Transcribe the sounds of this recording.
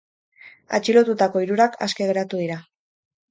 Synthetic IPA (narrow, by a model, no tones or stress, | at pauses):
a̰t͡ʃilo̞t̪ut̪ako̞iɾuɾakʰa̰ske̞ɣe̞ɾat̪uðiɾa